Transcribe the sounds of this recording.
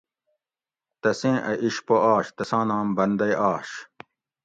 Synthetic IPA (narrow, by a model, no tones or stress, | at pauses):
t̪ɐsẽːʔɐʔiɕpoʔaːɕt̪ɐsãːnãːmbɐnd̪ɐjʔaːɕ